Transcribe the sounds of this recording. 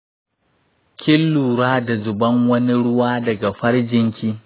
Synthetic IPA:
kʲɪ˦lːuː˨ɾaː˦da˨zʊ˨bɐ˦ŋwɐ˦ni˦ɽʊ˦waː˦dɐ˨ɡa˨ɸɐ˦ɽd͡ʒɪ˦ŋkʲiː˦

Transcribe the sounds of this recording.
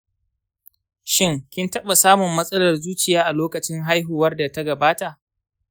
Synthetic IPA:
ʃɪ˦ŋkʲɪ˦ntɐ˦ɓa˨saː˦mʊ˨mːɐ˦sʼɐ˦lɐ˨rzuː˦t͡ʃɪ˨jaː˦ʔa˨loː˦kɐ˨t͡ʃɪ˦ŋɦa˦jɦuː˨wɐ˦rda˨ta˦ɡɐ˨baː˦ta˨ʔ

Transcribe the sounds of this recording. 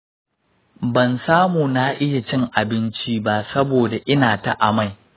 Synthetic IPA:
bɐ˨nsaː˦muː˨na˦ʔɪ˦ja˨t͡ʃɪ˦ŋʔa˨bɪ˦nt͡ʃi˦ba˦sɐ˦boː˨da˨ʔɪ˦naː˨ta˦ʔa˨ma˦˨j

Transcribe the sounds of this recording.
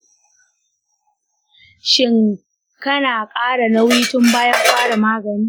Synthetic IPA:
ʃɪ˦ŋ | kɐ˦naː˨kʼaː˦ɽa˨na˦wiː˦tʊ˦mbaː˦ja˦ɸaː˦ɽa˨maː˦ɡɐ˨niː˦

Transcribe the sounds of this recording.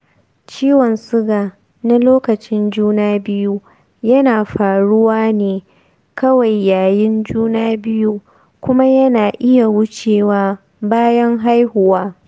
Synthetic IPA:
t͡ʃiː˦wɔ˨nsʊ˦ɡaː˨ | na˦loː˦kɐ˨t͡ʃɪ˦nd͡ʒuː˦naː˦bɪ˦ju˦ | jɐ˦naː˨ɸaː˨ɽʊ˦waː˦neː˨ | kɐ˦wa˨jːaː˨jɪ˦nd͡ʒuː˦naː˦bɪ˦ju˦ | kʷʊ˦ma˦jɐ˦naː˨ʔɪ˦ja˨wʊ˦t͡ʃeː˨waː˦ | baː˦jɐ˦ŋɦa˦jhʊ˨waː˦

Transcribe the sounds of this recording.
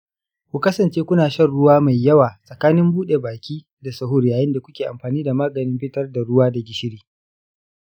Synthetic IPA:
kʷu˨kɐ˦sɐ˨nt͡ʃeː˦kʷʊ˦naː˨ʃɐ˦rɽʊ˦waː˦ma˨jːɐ˦waː˨sʼɐ˨kaː˦nɪ˦mbuː˦ɗe˨baː˨kʲiː˦ | da˨sɐ˨ɦʊ˦rjaː˨jɪ˦nda˨kʷʊ˦kʲeː˨ʔa̰˨mɸaː˨niː˦da˨maː˦ɡɐ˨nɪ˦mɸɪ˦tɐ˦rda˨ɽʊ˦waː˦da˨ɡʲɪ˨ʃɪ˦ɽiː˦

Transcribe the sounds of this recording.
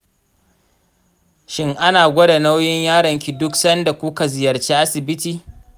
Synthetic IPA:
ʃɪ˦ŋʔa˦naː˨ɡʷɐ˦da˨na˦wjɪ˦ɲjaː˦ɽɐ˨ŋkʲi˨dʊ˦ksɐ˦nda˨kʷu˦ka˨zɪ˨jɐ˨rt͡ʃiː˦ʔa˦sɪ˨bɪ˦tiː˨

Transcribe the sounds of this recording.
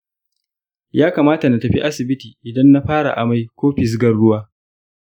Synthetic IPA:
jaː˦kaː˨maː˦ta˨na˨tɐ˨ɸḭ˦ʔa˦sɪ˨bɪ˦tiː˨ʔɪ˨dɐ˦nːa˦ɸaː˦ɽa̰˨ʔa̰˨ma˦jkʷoː˦ɸɪ˨s̬ɡɐ˦ɽɽʊ˦waː˦

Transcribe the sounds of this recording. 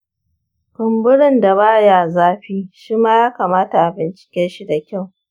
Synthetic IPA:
bɪ˨mbʊ˦ɽɪ˦˨nda˨baː˦jaː˨zaː˦ɸiː˦ʃiː˦maː˦jaː˦kaː˨maː˦ta˨ʔa˨bɪ˨nt͡ʃɪ̥˨kʲɛ˦nʃi˦da˨kʲa˦˨w

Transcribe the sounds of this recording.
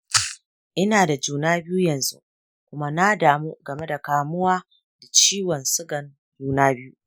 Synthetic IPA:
ʔɪ˦naː˨da˨d͡ʒuː˨naː˦bɪ˦ju˦jɐ˨nzṵ˦ | kʷʊ˦ma˦na˦daː˨mu˦ɡɐ˨me˦da˨kaː˨mʊ˦waː˦ | d̥a˨t͡ʃiː˦wɔ˨nsʊ˦ɡɐ˨n | d͡ʒuː˦naː˦bɪ˦ju˦

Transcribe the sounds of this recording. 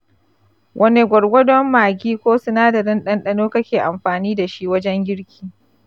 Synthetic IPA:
wʔɐ˦ne˨ɡʷɔ˨ɽɡʷɔ˦dɔ˦mːaː˨ɡʲiː˦kʷoː˦sʊ˦naː˦dɐ˨ɾɪ˦nɗɐ˦nɗɐ˦noː˦kɐ˦kʲeː˨ʔa˨mɸaː˨niː˦da˨ʃi˦wɐ˦d͡ʒɛ˦ŋɡʲɪ˦ɽkʲi̥ː˦˨

